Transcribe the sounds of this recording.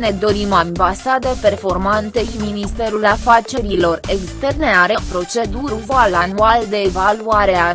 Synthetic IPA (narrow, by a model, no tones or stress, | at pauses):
ne̞d̪o̞ɾimambasad̪e̞pe̞rfo̞rmant̪e̞ʃiminist̪e̞ɾulafat͡ʃe̞ɾilo̞re̞kst̪e̞rne̞aɾepɾo̞t͡ʃe̞d̪uɾuvalanuald̪e̞ːvaluaɾe̞a